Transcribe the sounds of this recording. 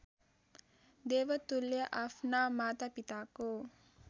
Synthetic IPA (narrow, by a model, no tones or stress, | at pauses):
d̪eːʋət̪uljɐʔafnaːmaːt̪apit̪ako